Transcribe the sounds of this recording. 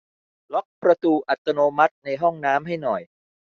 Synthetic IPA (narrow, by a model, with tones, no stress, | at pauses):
lɔ˦˥k̚pɾa˧t̪uː˧ʔa˨˩t̪ːa˧noː˧ma˦˥t̪̚na˧jɦɔ˥˩ŋnaː˦˥mɦa˥˩jnɔ˨˩j